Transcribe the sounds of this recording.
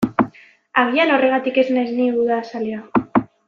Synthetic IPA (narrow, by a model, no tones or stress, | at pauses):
aɣ̞iano̞re̞ɣ̞at̪ike̞znezniuðasalia